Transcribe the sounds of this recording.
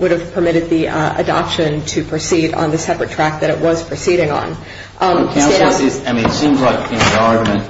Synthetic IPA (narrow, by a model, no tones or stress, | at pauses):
wʊɾɨv̥pʰə˞mɪɾɨd̪̚ðiə̰dɑ̰pʃɨ̃ntʰɨpʰɹ̥ɨsiɾ̃n̩ðɨsɛpɹɨtʰɹ̥æk̚ðɨɾɨʔ̚wʌz̥pʰɹ̥ɨsiɾɪ̃ŋə̰̃n | ʔkʰãʊ̃s̩ˠɪzaɪmĩnɨtsĩmzlaɪkɪ̃nðɑɹɡjmɨ̃n